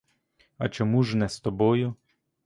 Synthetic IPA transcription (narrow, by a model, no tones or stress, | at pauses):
ɐ̰t͡ʃɔmuʒnɛst̪ɔbɔjʊ